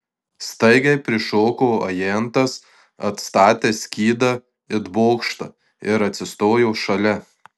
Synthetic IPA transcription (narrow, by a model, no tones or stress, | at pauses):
st̪ɐɪɡɐɪpʲɾʲɪʃoːkoːɐ̰jɛnt̪ɐs | ɐt̪st̪ɑːt̪ʲesʲkʲiːd̪ɐ | ɪd̪boːkʃt̪ɐ | ɪɾɐt̪ʲsʲɪst̪oːjoːʃɐlʲɛ